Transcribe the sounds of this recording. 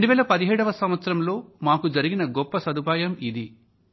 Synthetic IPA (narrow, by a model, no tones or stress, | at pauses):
ɾeɳɖuʋɛːlɐpɐd̪iɦɛːɽɐʋɐsɐmʋɐt̪sɐɾɐmlo̞ːmaːkud͡ʒɐɾiɡinɐɡɔpːɐsɐd̪upaːjɐmid̪i